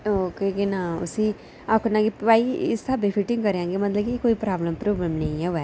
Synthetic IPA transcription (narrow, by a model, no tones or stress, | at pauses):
oːkeːkenaːʊ̰sĩː | akʊnãːɡeːpaːiɪ̰st̪ʰaːbepʰɪʈɪ̃ŋɡkəɾãːŋɡeːmət̪ləbkikoːiːpɾaːbləmpɾoːbləmnəĩɛːɛː